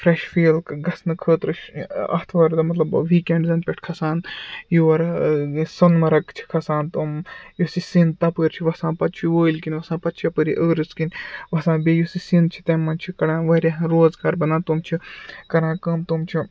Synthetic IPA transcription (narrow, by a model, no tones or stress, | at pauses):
fɾeʃfiːlkɡɐsnɨkʰəːt̪ɾɨʃɐ̰ht̪ʰʋɐɾd̪ɐmɐt̪lɐbʋiːkeɳɖzɐnpʲeʈʰkʰɐsaːnjuʋɐɾsɐnmɐɾɐkt͡ʃʰi̥kʰɐsaːnt̪umjosisint̪ɐpəːɾʲt͡ʃʰiʋɐsãːpɐt̪̚t͡ʃʰiʋoːilʲkinʲʋɐsãːpɐt̪̚t͡ʃʰiɐpəɾiʔəːɾɨskinʲʋɐsãːbejusisint͡ʃʰit̪ɐmːɐnt͡ʃʰikɐɽãːʋɐɾʲaɦɐɾoːzɡaːɾbɐnaːnt̪umt͡ʃʰikɐɽãːkɐmt̪umt͡ʃʰi